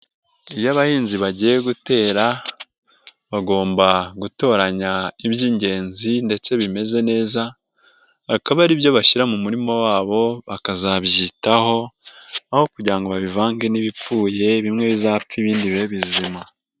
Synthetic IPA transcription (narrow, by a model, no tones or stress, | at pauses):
ijaβahiːnziβaɟije̞ɡute̞ːɾa | βaɡo̞ːmbaɡuto̞ːɾaɲaiβjiːɲɟe̞ːnzinde̞t͡se̞βime̞ze̞ne̞ːza | akaβaɾiβjo̞βaʃiɾamumuɾimowaːβo̞βakazaβjitaho̞aho̞kuɟiɾaŋɡo̞βaβivaːŋɡeniβip͡fuːje̞βimŋe̞βizaːp͡fiβiːndiβeβizima